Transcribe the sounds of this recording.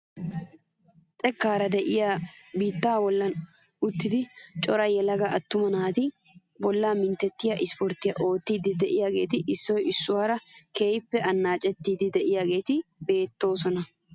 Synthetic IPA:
t̪ʼɛkːaːɾɐd̪ɛʔɪjaːbiːt̪ːaːwɔlːɐnʊt̪ːɪd̪ɪt͡ʃʼɔɾɐjːɛlɐɡɐʔɐt̪ːʊmɐnaːt̪ɪ | bɔlːaːmɪnt̪ɛt̪ːɪjɐʔɪspɔɾt̪ːɪjɐʔo̞ːt̪ːiːd̪ɪd̪ɛʔɪjaːɡe̞ːt̪ɪʔɪsːɔjɪsːʊwaːɾɐkeːjpːɛʔɐnːaːt͡ʃʼɛt̪ːiːd̪ɪd̪ɛʔɪjaːɡe̞ːt̪ɪbe̞ːt̪ːo̞ːsɔnɐ

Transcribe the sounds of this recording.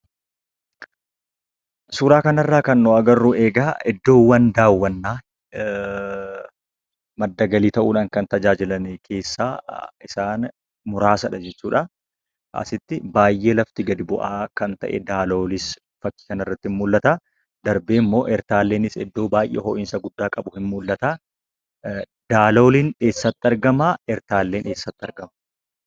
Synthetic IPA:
suːɾaːkɐnɐrːaːkɐnːoːɐɡɐrːuːeːɡaːɛd̪ːo̞ːwːɐnd̪aːwːɐnːaː | mɐd̪ːɐɡɐliːt̪ɐʔuːᶑaːŋkɐnt̪ɐd͡ʒaːd͡ʒɪlɐnɛkʰe̞ːsːaːɪsaːn | mʊɾaːsɐᶑɐd͡ʒɛt͡ʃːuːᶑɐ | ʔɐ̰sɪt̪ːɪbaːjʔe̞ːlɐft̪ɪɡɐd̪ɪbʊʔaːkɐnt̪ɐ̰ʔɛ̰d̪aːloːlɪs | fɐkːi̥ːkɐnɐrːɐt̪ːɪhɪnmʊlːɐt̪aː | d̪ɐɾbeːmːo̞ːʔɛɾt̪aːlːe̞ːnɪsɛ̰d̪ːo̞ːbaːjʔɛ̰ɦɔːʔɪnsɐɡʊd̪ːaːkʼɐbʊhɪnmʊlːɐt̪aː | d̪aːlo̞ːlinᶑeːsːɐt̪ːɪɐɾɡɐmaːʔɛɾt̪aːlːe̞ːnʔeːsːɐt̪ːɐɾɡɐmɐ

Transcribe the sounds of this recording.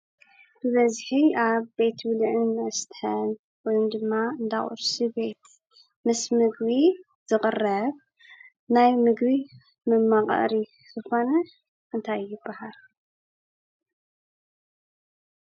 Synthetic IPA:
b̥ɨβɐzħiaβbe̞t̪bɨlʕɨnɨst̪ħɐn | wojumd̪ɨmːaɨnd̪aχʼṵɾsibe̞t̪ | mɨsmɨɡβi | z̥ɨqʼɨrɐβ | najmɨɡbi | mɨmːaqʼɐ̰ɾi | z̥ɨxo̞nɐ | ʔɨnt̪ʰajːɪbːahal

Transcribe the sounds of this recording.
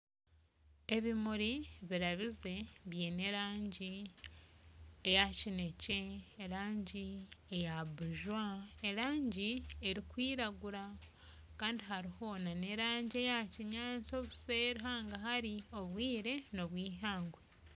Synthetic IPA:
e̞βimuɾiβiɾaβize̞βjene̞ɾaːɲɟi | ejacinece̞ːɾaːɲɟiejabuʒwae̞ɾaːɲɟie̞ɾikwiːɾaɡuɾa | kaːndiɦaɾiho̞nane̞ɾaːɲɟie̞jaciɲaːt͡so̞βuse̞ɾiɦaːŋɡaɦaɾio̞βwiːɾe̞no̞βwiːɦaːŋɡwe

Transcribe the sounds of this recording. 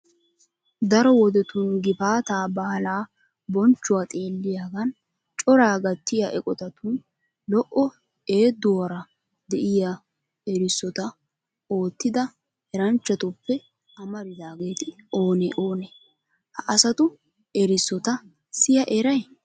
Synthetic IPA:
d̪ɐɾɔwɔd̪ɛt̪ʊnɡɪbaːt̪aːbɐhɐlaː | bɔnt͡ʃːʊwat̪ʼe̞ːlːɪjaːɡɐn | t͡ʃʼɔɾaːɡɐt̪ːɪjaʔɛkʼɔt̪ɐt̪un | lɔʔɔ | e̞ːd̪ʊwɐɾɐ | d̪ɛʔɪja | ɛɾɪsːɔt̪ɐ | o̞ːt̪ːɪd̪ɐ | ɛɾɐnt͡ʃːɐt̪ʊpːɛ | ɐmɐɾɪd̪aːɡe̞ːt̪ɪo̞ːneʔoːnɛ | hɐʔɐsɐt̪ʊ | ɛɾɪsːɔt̪ɐ | sɪjɐʔɛɾɐj

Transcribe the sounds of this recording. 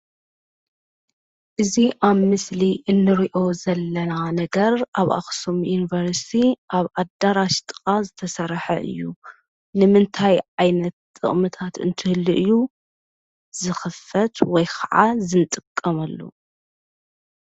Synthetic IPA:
ʔɨziʔaβmɨsliʔɨnːɨɾiʔo̞zɐlːɐnanɐɡɐɾʔaβa̰xsomjunivɐɾst̪ʰiʔaβʔad̪aɾaʃt̪ʼɨ̥qʼazɨt̪ʰɐsɐɾħɐ̰ʔɨ̰jːu | nɨmɨnt̪ʰajʕajnɐt̪t̪ʼːɨ̰χʼmɨt̪ʰat̪ɨ̰nt̪ʰɨhɨlːɨʔɨjːu | zɨxɨfɐt̪wɔjkʰɐʕazɨnt̪ʼɨkʼːɐmɐlːo̰

